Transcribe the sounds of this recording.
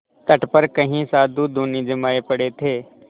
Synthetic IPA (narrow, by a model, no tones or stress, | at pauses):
t̪əʈpəɾkəɦĩsaːd̪ʱud̪ʱoːnid͡ʒəmaːepəɽet̪ʰeː